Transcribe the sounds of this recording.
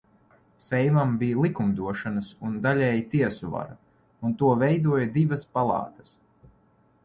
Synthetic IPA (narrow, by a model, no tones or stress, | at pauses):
sɛjmambijlˠikumd̪uɔʃanɐsund̪alʲɛːjt̪iɛsuva̰ɾa | unt̪uɔvɛjd̪uɔjad̪ivɐspalˠɑ̰ːt̪ɐ̥s